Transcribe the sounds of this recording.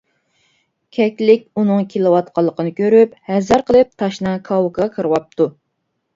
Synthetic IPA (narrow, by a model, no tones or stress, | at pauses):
kʲʰɛkʲlɪkʲunɨŋkʲʰelɨwɑt̪̚qʰɑlˠːəqənɨkʲøɾyp̚hɛzɑɾqʰəlˠɨp̚t̪ʰɑʃnɨkʰɑwukʰɑkʰəɾɨwɑp̚t̪ʰu